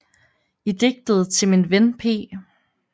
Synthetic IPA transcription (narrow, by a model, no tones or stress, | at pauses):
id̥e̝ɡ̥̚d̥əð̞̩ˠt͡sʰe̝minʋenpʰe̝̰ː